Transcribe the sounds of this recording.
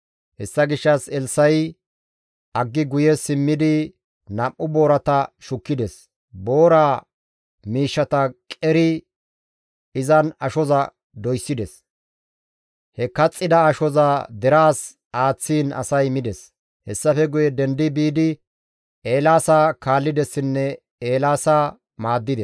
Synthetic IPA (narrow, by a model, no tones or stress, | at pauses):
hɛsːɐɡɪʃːɐsɛlsːɐj | ʔɐɡːɪɡʊjɛsɪmːɪd̪ɪ | nɐmʔːʊbo̞ːɾɐt̪ɐʃʊkːɪd̪ɛs | bo̞ːɾaː | miːʃːɐt̪ɐkʼɛɾɪ | ɪzɐnɐʃɔzɐ | d̪ɔjsːɪd̪ɛs | hɛkɐt͡sʼːɪd̪ɐːʃɔzaːd̪ɛɾaːs | aːt͡sːiːnɐ̰sɐjmɪd̪ɛs | hɛsːɐfɛɡʊjɛd̪ɛnd̪ɪbiːd̪ɪ | eːlaːsaːkaːlːɪd̪ɛsːɪnːɛ | eːlaːsaː | maːd̪ːɪd̪ɛs